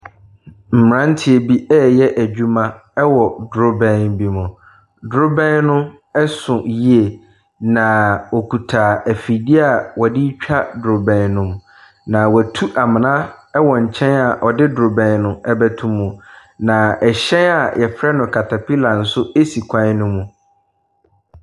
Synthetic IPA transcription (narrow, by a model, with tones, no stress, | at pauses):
m̩˨m˨ɾã˦n̩˦tʰɪ˦e˨bi˦ɛː˦jɛ˦ʔæ˨d͡ʑᶣu˦mã˦ | ɛ˦wɔ˨dɾʊ˦bɛ̃˦nbi˨mʊ̃˨ | dɾʊ˦bɛ̃˦nnʊ̃˦ | ɛ˦sʊ̃˨ji˦e˨ | nã˨ɔ˨kʰu˨tʰaː˨æ˨fi˨di˦a˨wɔ˨dɪ˦t͡ɕᶣa˦dɾo˨bɛ̃˨nnʊ̃˦m | nã˨wæ˨tʰu˦ʔa˨mɪ̃˨nã˦ɛ˦wɔ˨ɲ̩˨t͡ɕʰɛ̃˦na˨ʔɔ˨dɪ˦dɾʊ˨bɛ̃˨nnʊ̃˦ɛ˨bæ˨tʰũ˨mːũ˨nã˨ɛ˨ɕɛ̃˦na˨jʔɛ˨fɾɛ˦nʊ̃˨kʰa˨tʰa˨pʰi˦la˨n̩˨sʊ˦e˦si˨kʷʰã˦n˦nʊ̃˦mũ˨